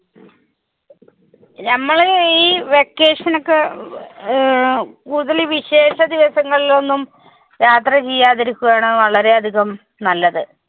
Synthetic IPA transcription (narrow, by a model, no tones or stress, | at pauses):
nɐmːɐɭiːʋekːe̞ːʂɐnokːɨ | kuːuðɐliʋiɕe̞ːɕɐd̪iʋɐsɐŋːɐɭilo̞nːum | jaːt̪rɐt͡ɕejːaːðeɾikʲːuɣaːɳɨʋɐɭɐɾe̞ɐd̪ʱiɣɐm | nɐlːɐðɨ